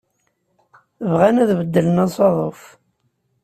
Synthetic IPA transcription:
əvʁænæðvəd̪ːələnɑsˤɑðˤof

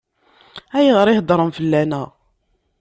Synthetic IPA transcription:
æjʁəɾˤihd̪ˤɾˤəmfəlːænæ

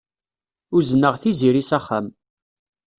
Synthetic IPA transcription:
ʊɾzənːəʁθiziɾisæχːam

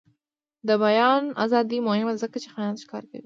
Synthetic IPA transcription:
d̪əbajɑna̰zɑd̪imʊhɪmazəkat͡ʃexajɑnʃkɑɾka̰wi

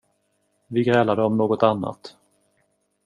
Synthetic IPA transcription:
vɪɡɾɛːlad̪əɔmnoːɡɔt̪anːa̰t̪

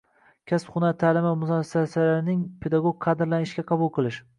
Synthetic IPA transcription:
kʲʰaspχʊnat̪ʰaːlɪmɪmʊzɒsɪ̥sasalaɾɪnɪŋpʰe̞d̪aɡoɡ̚ʲqʰːɑd̪ɪɾlanɪʃkʲaqʰɑbʊlˠqʰɨlˠɪʃ

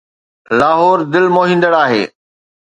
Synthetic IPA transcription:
laːɦoːɾd̪ɪlmoːɦĩːnd̪əɽaːɦḛː

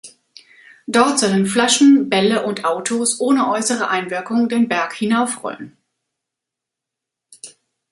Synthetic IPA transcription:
d̥ɔɐtz̥ɔlənflaʃn̩bɛləʔʊntʔaʊtʰosʔoːnəʔɔʏsəʁ̞əʔaɪnvɪɐkʊŋdeːnbɛɐkhɪnaʊfʁ̥ɔ̰lən

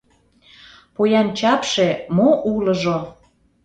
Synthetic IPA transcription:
pojɑnt͡ɕɑpʃemoʔuləʒo

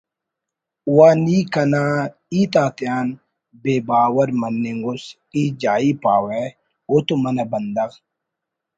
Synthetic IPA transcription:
uwaːnikɐnaː | iːt̪aːt̪jaːn | beːbaːwɐɾmɐnːiŋɡus | iːd͡ʒaːipaːwe | ot̪umɐnɐbɐnd̪ɐɣ

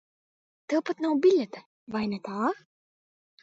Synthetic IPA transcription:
t̪ɛwpat̪nawbʲilʲɛt̪ɛ | vajnɛt̪aː

